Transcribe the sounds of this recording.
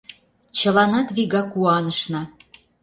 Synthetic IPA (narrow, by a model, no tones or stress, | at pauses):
t͡ɕə̆lɑnɑd̪βiɣɑkuɑnəʃnɤ̆